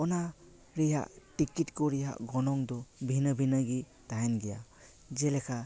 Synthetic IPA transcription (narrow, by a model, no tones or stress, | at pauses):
ɔna | ɾija̰ʔtikitkɔɾija̰ʔɡɔnɔŋdɔbʱinɯbʱinaɡi | taenɡija | zelekʰa